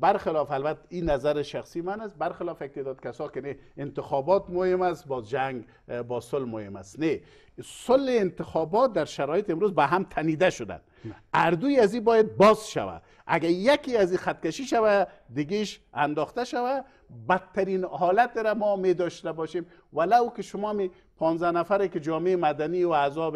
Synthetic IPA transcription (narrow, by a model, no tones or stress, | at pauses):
baɾxɪlɔfalbat̪ainazaɾɪʃaχsimanas̚baɾxɪlɔfek̚t̪ed̪ɔd̪̚kasɔkɪneɪnt̪ɪxɔbɔt̪mʊhɪmasbɔzd͡ʒaŋɡ | bɔsʊlmohɪma̰sne | sʊlhɪːnt̪ɪxɔbɔt̪̚d̪aɾʃaɾɔjɪt̪ɪmɾozbaɦamt̪ʰanid̪aʃʊd̪a̰n | aɾd̪ujazibɔjad̪̚bɔzʃa̰wa̰ | a̰ɡajakiazixat̪̚kaʃiʃawad̪ɪɡeʃa̰nd̪ɔxt̪aʃawa | bat̪ʰːaɾinhɔlat̪ɾamɔmed̪ɔʃt̪abɔʃem | walawkɪʃʊmɔami | pʰɔnzanafaɾekɪd͡ʒɔmeːmad̪aniwaazɔb